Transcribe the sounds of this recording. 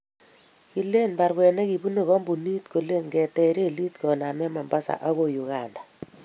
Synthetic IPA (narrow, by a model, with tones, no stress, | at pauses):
ki˨le˦nba˨ɾbwɛ˨ne˦ɣi˨bu˦no˨ɣɔ˦mbu˨ni˦tko˨le˦ŋɡɛ˨tɛ˨ɾe˦˨li˦tkɔ˨na˨mɛ˦ma˨mba˦sa̰˨ʔa˦ɣo˦ju˨ɣa˨nda˨